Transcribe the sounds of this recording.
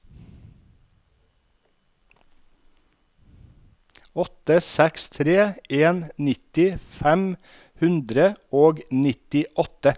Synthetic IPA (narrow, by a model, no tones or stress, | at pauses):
ɔt̪əsɛkst̪ʰɾeːeːnnɪt̪ɪfæm | hʉnd̪ɾəoːɡnɪt̪ɪʔɔt̪ə